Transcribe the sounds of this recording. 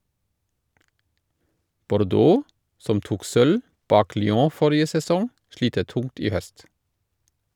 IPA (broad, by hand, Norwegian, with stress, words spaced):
bɔɾˈdoː ˈsɔm ˈtuːk ˈsœl ˈbɑːk lʏˈoː ˈfɔɾɪə sɛˈsɔŋ ˈʃliːtə ˈtʊŋt ˈiː ˈhœst